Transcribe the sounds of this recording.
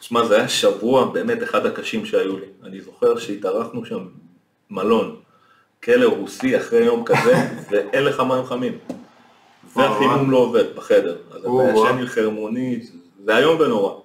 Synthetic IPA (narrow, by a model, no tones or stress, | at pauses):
tʃmazeajaʃavuabe̞ːme̞t̪eχadhakaʃimʃeajulianizo̞χe̞ʁʃeitaʁaχnuʃamː | alo̞n | kʰe̞le̞ʁusiaχʁejo̞mkaze̞veʔelefamaimχamim | veaχinumlo̞ːve̞dbeχe̞de̞ʁazaaʃenilχeʁmo̞ni | zeajo̞mve̞no̞ʁa